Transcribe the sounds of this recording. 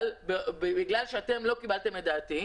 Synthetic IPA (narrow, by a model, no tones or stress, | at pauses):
lbebebiɡlalʃeat̪e̞mlo̞kibalt̪emed̪aːt̪i